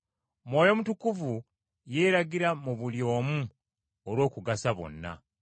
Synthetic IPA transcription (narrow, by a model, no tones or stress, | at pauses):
mwoːjo̞mutukuvu | je̞ːɾaɡiɾamuβuljo̞ːmu | olwo̞ːkuɡasaβo̞̰nːa̰